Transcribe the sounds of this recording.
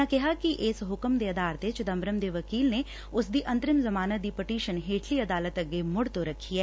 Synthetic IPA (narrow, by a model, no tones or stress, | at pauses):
ãːkɪɦaːkiʔɪsɦʊkəmd̪eːəd̪aːɾt̪et͡ʃd̪əmbɾəmd̪eːʋəkiːlneː | ʊsd̪iːʔə̃nt̪ɾɪmzəmaːnəd̪iːpɪʈiːʃənɦeːʈʰliːəd̪aːlət̪əɡːeːmʊɽt̪oːɾəkʰːiːɛː